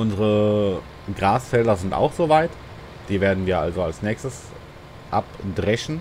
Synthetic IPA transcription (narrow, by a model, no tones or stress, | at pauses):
ʔʊnzəʁə | ɡʁaːsfɛldɐzɪnta̰ʊxz̥oːvaɪt | d̥iːveːɐdn̩viːɐʔalzoalsnɛːçstəs | ʔapdʁɛçn̩